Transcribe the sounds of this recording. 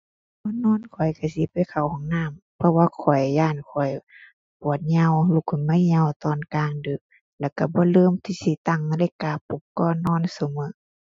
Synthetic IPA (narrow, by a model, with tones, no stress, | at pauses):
bɔː˧˨nɔː˧˥˨nkʰɔ˨˩jka˧˩si˧˦pa˨jkʰa˨˩whɔ˨˦ŋnaː˧˥˨mpʰɔ˧waː˧˨kʰɔ˨˩jːaː˧˩˨nkʰɔ˨˩j | pu˨ət̪̚ɲa˧˨wluː˧kʰɔ˨nma˧˥˨ɲa˧˨wt̪ɔː˧˨nkaː˧ŋdɯː˨˦k̚ | lɛ˧˩˨wka˧˩bɔː˧˦lɤː˧˨mt̪ʰiː˧˦si˧˦t̪a˧˩˨ŋ˧lɛ˧˨kaː˧˩pu˧˦kkɔː˧˨nɔː˧˥˨nsu˨˧˦mɯ˧˦˨